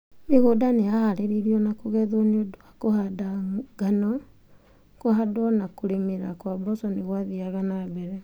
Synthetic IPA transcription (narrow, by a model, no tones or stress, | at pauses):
meɣodaneahaɾeɾiɾiɔnakoɣɛðoneodoakohadaɡanɔ | koɦadwɔnakoɾemeɾakwabɔsɔneɣwaðiaɣanabɛɾɛ